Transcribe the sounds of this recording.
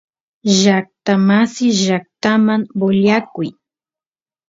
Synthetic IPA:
ʒak̚t̪amasɪʒak̚t̪amaŋboʎakʊj

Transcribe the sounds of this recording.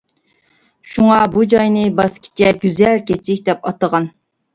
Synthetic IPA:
ʃuŋɑbud͡ʒɑjnɨbɑskʲʰi̥t͡ʃʰɛɡʲyzɛlkʲʰɛikʲd̪ɛpɑt̪əʁɑn

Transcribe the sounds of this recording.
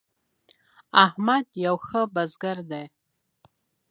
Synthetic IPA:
aħmadjawχəbazɡardaj

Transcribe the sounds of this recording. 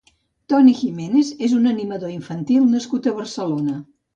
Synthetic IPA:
t̪ɔniximenezezunəniməðoiɱfənt̪ilˠnəskut̪əβərsəlonə

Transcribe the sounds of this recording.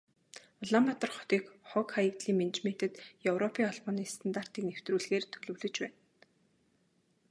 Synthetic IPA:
ɔɮampat̪ə̆rχʊ̥t̪iːkχɔkχajə̆kt̪ɮiːŋment͡ɕmen̥t̪ə̆t̪jɵwrɔpʰiːŋɔɮpɔːniːst̪ʰant̪ar̥t̪iːknew̥t̪ruːɮɣeːrt̪ʰɵɮɵ̆wɮɵ̆t͡ɕpæːn

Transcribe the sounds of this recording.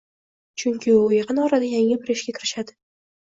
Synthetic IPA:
t͡ʃʰʊŋkʲʰɪʊjeqɨnɒɾad̪ajaŋɪbɪɾɪʃɡʲakʲʰɪɾɪʃad̪ɪ

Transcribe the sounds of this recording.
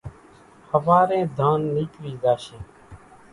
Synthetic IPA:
həʋaːɾẽːd̪ʱaːnːiːkʋiːzaːʃeː

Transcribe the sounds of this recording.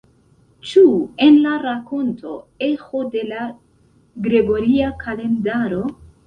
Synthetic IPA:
t͡ʃue̞nlaɾako̞ntʰo̞e̞xo̞de̞la | ɡɾe̞ɡo̞ɾiakʰale̞ndaɾo̞

